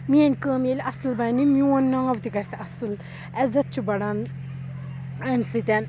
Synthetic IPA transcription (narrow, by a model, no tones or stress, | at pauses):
miɐnʲkəːmelʲɐsɨlbɐnimʲjuɐnːaːʋt̪iɡɐsɐsɨl | ɛzɐt̪̚t͡ʃʰubɐɽɐn | ɐmʲsɨt̪ʲɐn